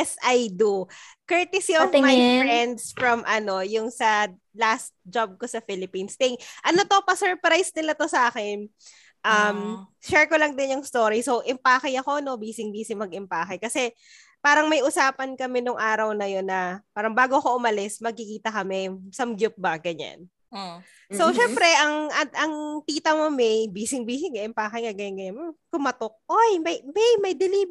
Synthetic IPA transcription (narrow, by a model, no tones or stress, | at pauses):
ɛsʔajd̪ukɛt̪ɪsiʔɔvmajfɹɛnd̪sfɹɐmʔɐno̞jʊŋsɐ | last̪̚d͡ʒab̚kosɐfilɪpiːnst̪ɪŋʔɐno̞t̪o̞pɐsɛɹpɾajsnɪlɐt̪o̞sɐʔaːkɛn | ʔɐm | ʃɛɹkolɐŋd̪ɪnjʊŋst̪o̞ːɾisoʔɪmpaːkɐjɐko̞no̞biːsɪŋbiːsɪŋmɐɡɪmpaːkɪkɐsɛ | paːɾɐŋmɐjʔʊsaːpɐnkɐmɛnʊŋʔaːɾɐwnɐjo̞nːɐpaːɾɐŋbaːɡoɐkoʔʊmɐlɪsmɐɡ̚kɪkiːt̪ɐkɐmɛsɐmɡjʊp̚bɐɡɐɲa̰n | soʃɛmpɾɛʔɐŋʔɐʔɐŋt̪iːt̪ɐmomɛjbiːsɪŋbiːsɪŋaʔɪmpaːkɪŋɐɡɐjɐnɡɐɲanmok̪ʊmɐt̪ok̚ʔojmɐjbɛjmɐjd̪ɪliːb